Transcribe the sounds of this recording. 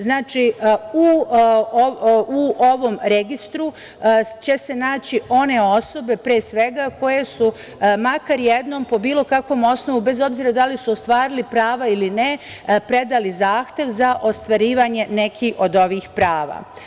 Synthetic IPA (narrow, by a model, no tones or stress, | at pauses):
znaːt͡ʃiu | ouʔo̞ʋo̞mɾeɡist̪ɾu | t͡ɕe̞se̞naːt͡ɕiʔo̞ne̞o̞so̞be̞pɾeːsʋe̞ɡako̞je̞su | makaɾjed̪no̞mpo̞biːlˠo̞kakʋo̞mo̞sno̞ʋube̞zo̞bziːɾad̪alisuost̪ʋaːɾilipɾaːʋailine | pɾe̞d̪alizaːxt̪je̞ʋzaʔo̞st̪ʋaɾiːʋaɲe̞ne̞kʰixo̞d̪o̞ʋiːxpɾaːʋa̰